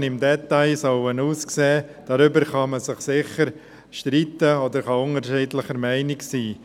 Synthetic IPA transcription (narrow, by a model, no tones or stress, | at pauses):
nɪmdɛt̪aɪsɔʊənuːskseːd̥ɑɾʏbəɾχɑməsɪχsɪχəɾ | ʃtɾitəod̪əɾχɑʊŋəɾʃiːdləχəɾmæɪnɪksiː